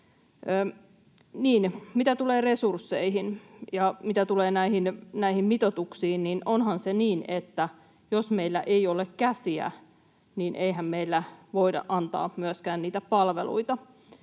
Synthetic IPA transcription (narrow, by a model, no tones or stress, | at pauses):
niːnmit̪æt̪uleːresursːeiɦinjɑmit̪æt̪uleːnæiɦinnæihimmit̪ot̪uksiːnninʔonhɑnseniːnet̪ːæ | josmeilːæ̰ʔeiolekkæsiæ̰ | niːnʔeiɦæmmeilːæʋoidɑ̰ʔʔɑnt̪ɑ̰ːmyøskæːnniːt̪æpɑlʋḛlṵit̪ɑ